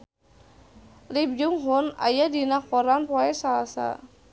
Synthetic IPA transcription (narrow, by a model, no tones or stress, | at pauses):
lib̚d͡ʒuŋɦɔna̰jadinakɔɾanpɔɛsalasa̰